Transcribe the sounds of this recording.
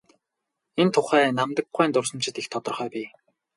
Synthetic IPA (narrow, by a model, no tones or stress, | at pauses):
ent̪ʰʊχæːnamt̪ə̆k̚ɢæːnt̪ʊrsə̆mt͡ɕʰɪ̆t̪ixt̪ʰɔt̪ɞ̆rχœːpiː